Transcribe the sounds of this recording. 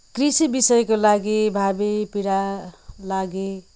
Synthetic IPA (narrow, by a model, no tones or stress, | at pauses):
krisibisʌjkolaɡibʱabepiɾalaɡe